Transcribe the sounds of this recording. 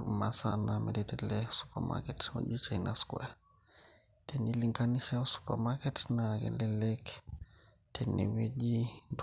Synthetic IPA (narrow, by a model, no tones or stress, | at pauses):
masa̰namɛtɛtɛlɛsu̥pama̰kɛtmo̰ʄit͡ʃajnʔaskwɛ | tʰɛniliŋɡaniʃasu̥pa̰makɛtnakɛ̰lɛlɛk | tʰɛnḭwed͡ʒind